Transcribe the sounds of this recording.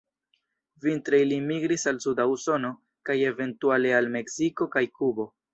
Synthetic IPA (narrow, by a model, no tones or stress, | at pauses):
vintɾe̞jlimiɡɾisalsudauso̞no̞ | kaje̞ve̞ntuale̞alme̞ksiko̞kajkubo̞